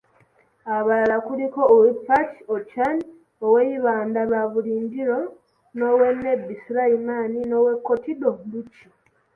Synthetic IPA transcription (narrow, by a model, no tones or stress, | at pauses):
aβalalakuliko̞ːwepːatiot͡ʃani | oweiβaːndaβaβuliːɲɟiɾo̞ | no̞wenːebːisiɾaimaːnino̞we̞kːo̞tidombuci